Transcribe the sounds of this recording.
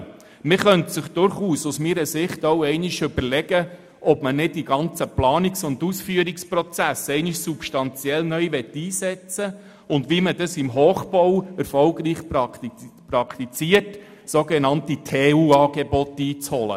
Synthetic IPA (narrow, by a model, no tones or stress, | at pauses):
mɪχœntsɪχd̥ʊɾχuːsusmiːɾəsɪχtowɛɪnɪʃʏbəɾlɛɡ̥ə | ʔɔbmənɪd̚diɡɑnt͡səplɑːnɪksʊndusfyːəɾɪkspɾɔt͡sæsɛɪnɪʃsupʃtɑnt͡sjɛlnœʏʋɛtːiːsɛt͡sə | ʊndʋimədɑsɪmɦoːχb̥ɔwɛɾfɔlɡɾiːχp | pɾɑkʰt̪it͡siət | soɡenɑntitʰeːuːɑːɡebɔtːiːt͡shɔlə̰